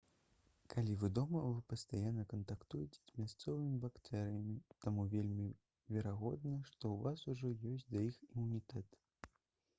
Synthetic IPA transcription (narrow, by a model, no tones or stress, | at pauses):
kʰalʲivɨd̪ɔmɐvɨpɐst̪ajanːɐkɐnt̪akt̪ujɛt͡sʲɛ̥zʲmʲast̪sɔvɨmʲibakt̪ɛɾɨjɐmʲit̪amuvʲelʲmʲi | vʲɛɾaɣɔd̪nɐʂt̪ɔwvasuʐɔjɔsʲd̪ɐjiximunʲit̪ɛt̪